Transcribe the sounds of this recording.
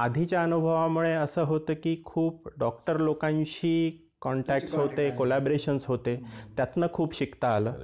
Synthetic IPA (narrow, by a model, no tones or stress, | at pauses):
ad̪ʱit͡ɕjaənubʱəʋamuɭeəsəːɦot̪əːkiːkʰuːp̚ɖɔk̚ʈəɾlokãɲɕiː | kɔɳʈæk̚ʈsɦot̪ekolæbɾeɕənsɦot̪et̪jat̪nəkʰuːpɕikt̪aːləː